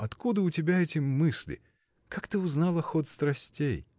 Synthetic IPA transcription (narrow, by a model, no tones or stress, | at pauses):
ɐt̪kud̪əʊtʲɪbʲaɛtʲɪmɨsʲlʲɪ̰ | kakt̪ɨʊznalˠɐxɔt̪st̪ɾɐsʲtʲej